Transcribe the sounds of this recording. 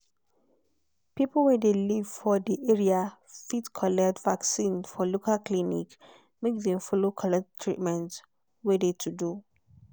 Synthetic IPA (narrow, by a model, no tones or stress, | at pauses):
pipl̩wɛdeliv̥fɔdiʔeɹia | fitkʰɔlɛktvaksĩnfɔlokʰalklinḭk | mekdɛ̃mfolokʰɔlɛk̚ttʰɹḭtmɛ̃nt | wɛdetʰudu